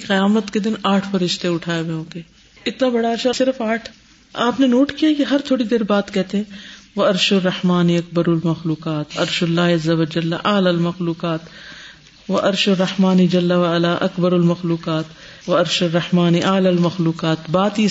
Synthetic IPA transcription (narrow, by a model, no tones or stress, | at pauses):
qɐjaːmət̪ked̪ɪnaːʈʰfɐɾɪʃt̪eʊʈʰaːeʋeõːkeː | ɪt̪nabɐɽaɐɾʃasɪɾfaːʈʰ | aːpnenoːʈkijakeɦɐɾt̪ʰoːɽid̪eːɾbaːt̪kɛɦt̪eɦɛ̃ːʋɐɐɾʃʊrːɐhmaːniɐk̚bɐɾɐlmɐxluːqaːt̪ɐ̰ɾʃʊlːaːɦɐzːɐʋɐd͡ʒɐlːaʔɐlalmɐxluːqaːt̪ | ʋɐʔɐɾʃʊrːɐhmaːnid͡ʒɐlːɐʋɐalaʔɐkbɐɾɐlmɐxluːqaːt̪ | ʋɐɐɾʃʊrːɐhmaːniʔaːlɐlmɐxluːqaːt̪baːt̪iː